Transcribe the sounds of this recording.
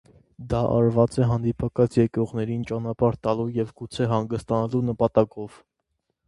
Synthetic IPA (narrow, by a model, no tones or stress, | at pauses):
d̪ɑʔɑ̰ɾvɑt͡sɛɦɑnd̪ipʰɑkɑt͡sʰjɛkɾɔʁnɛɾint͡ʃɑnɑpɑɾt̪ɑlujɛvɡut͡sʰɛɦɑŋɡəst̪ɑnɑlunəpɑt̪ɑkɔv̥